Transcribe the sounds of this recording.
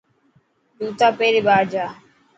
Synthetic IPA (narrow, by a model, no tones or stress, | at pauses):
d̪uːt̪aːpeːɾiːɓaːɾd͡ʒaː